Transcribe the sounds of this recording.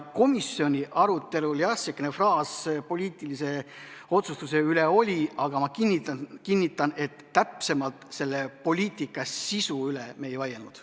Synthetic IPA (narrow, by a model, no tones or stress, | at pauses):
ko̞misːjo̞nʲiʔɑɾut̪ːˑe̞luljɑsekːenefrɑːspo̞lʲiːt̪ːˑilise̞o̞t̪sust̪use̞yle̞o̞lʲiɑɡ̥ɑmɑkinːit̪kinːit̪ˑːɑne̞t̪ːæpse̞mɑlt̪se̞lːe̞po̞lʲiːt̪ˑikːˑɑsisuyleme̞ːjvɑjelnud̪̥